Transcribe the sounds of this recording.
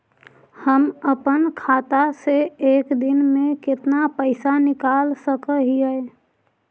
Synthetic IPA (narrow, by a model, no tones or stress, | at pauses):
həməpənkʰat̪aseeːkd̪ɪnmẽkɪt̪napəɪsanɪkalsəkəɦiəe